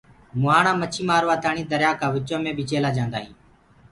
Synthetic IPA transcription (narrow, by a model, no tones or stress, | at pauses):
mʊaːɳãːmət͡ʃʰiːmaːɾʋaːt̪aːɳĩːd̪əɾjaːkaːʋɪt͡ʃõːmẽːɓiːt͡ʃeːlaːd͡ʒãːnd̪aːɦĩː